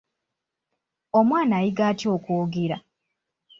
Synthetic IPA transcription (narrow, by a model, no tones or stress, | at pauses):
omwaːnajiɡaːtio̞ːkuːɡiɾa